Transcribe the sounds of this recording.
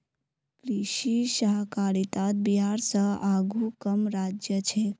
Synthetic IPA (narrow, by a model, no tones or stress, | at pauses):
kɾiʃiʃəɦkaːɾit̪at̪̚biɦaɾsəaɡʱukəmɾaːd͡ʒjət͡ʃʰe